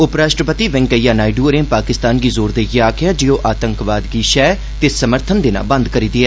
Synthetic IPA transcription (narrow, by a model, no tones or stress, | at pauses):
ʊpɾaːʃʈɾəpət̪iːʋɛ̃ŋkəjaːnaːɪɖuːɾẽːpaːkɪst̪aːnɡiːzoːɾd̪eːjaːkʰɪjaːd͡ʒijõːʔaːt̪əŋkʋaːd̪ɡiːʃɛː | t̪eːsəməɾt̪ʰənd̪ɪna̰ːbə̃nd̪kəɾiːd̪ɪɛː